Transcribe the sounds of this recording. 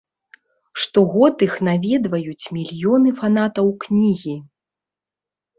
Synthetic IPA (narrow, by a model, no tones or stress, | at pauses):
ʂt̪ɔɣɔt̪ɨxnavʲɛd̪vɐjut͡sʲmʲilʲjɔnɨfanat̪ɐwknʲiɣʲi